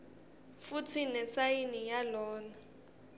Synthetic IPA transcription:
fut͡sʰinɛsajinijalɔːna

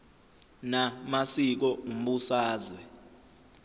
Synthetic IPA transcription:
namasik̬ɔm̩ɓusaːzwɛ

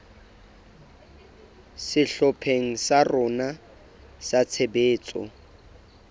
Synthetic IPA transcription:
sɪɬɔpʰeŋ̩sarʊna | sat͡sʰebeːt͡sʼɔ̰

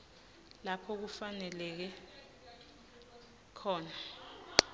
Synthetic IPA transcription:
lapʰɔk̬ufanɛlɛk̬ɛ | kʰɔːna

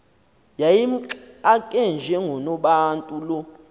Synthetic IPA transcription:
jajim̩ǁakʼɛnd͡ʒʱɛŋɡʱɔnɔɓaːntʼulɔ

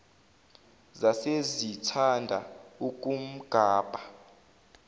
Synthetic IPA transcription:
zasezitʰandʱaukʼum̩ɡ̥ʱaːb̥ʱa

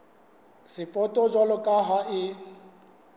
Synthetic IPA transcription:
sɪpʼɔtʼɔd͡ʒwalɔkʼaɦaɪ

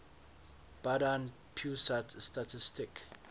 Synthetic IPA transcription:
b̥adan | pʰjusatstatʰɪstɪk

